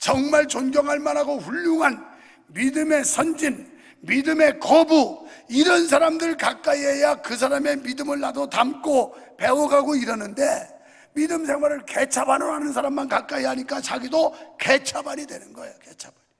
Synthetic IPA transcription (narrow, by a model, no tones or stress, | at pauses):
t͡ɕʌŋmaɭt͡ɕonɡjʌŋɦaɭmanaɡoɸuʎːuŋɦan | midɯme̞sʰʌnd͡ʑin | midɯme̞kʌbuiɾʌns̬ʰaɾamdɯɭkak͈aiejakɯs̬ʰaɾame̞midɯmɯɭːadotamk͈ʰope̞oɡaɡoiɾʌnɯnde̞ | midɯms̬ʰe̞ŋɦwaɾɯɭke̞t͡ɕʰabanoɦanɯnsʰaɾamːankak͈aiɦaɲik͈at͡ɕaɡidoke̞t͡ɕʰabaɲidwe̞nɯnɡʌejoket͡ɕʰḁb̥aɲi